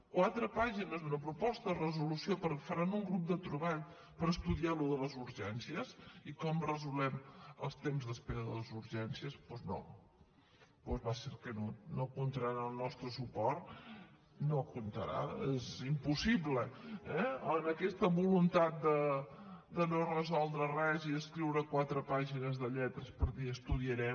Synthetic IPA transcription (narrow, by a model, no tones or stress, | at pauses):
kwat̪ɾəpaʒinəzðunəpɾupɔst̪ərəzulusiopəɾkfəɾanuŋɡɾup̚d̪ət̪ɾəβaʎ | pəɾəst̪uðialuðələzuɾʒɛnsiəzikɔmrəzulˠɛmə̰lˠst̪emzðəspeɾəðələzuɾʒɛnsiəspwzno̰ | pwɔzβaseɾkənonokunt̪əɾanəlˠnɔst̪ɾəsupɔɾt̪ | nokunt̪əɾa̰ezimpusiβləɛənəkɛst̪əβulunt̪at̪̚d̪ə | d̪ənorəzɔlˠd̪ɾərɛziðəskɾiwɾəkwat̪ɾəpaʒinəzðəʎɛt̪ɾəspəɾðiəst̪uðiəɾɛm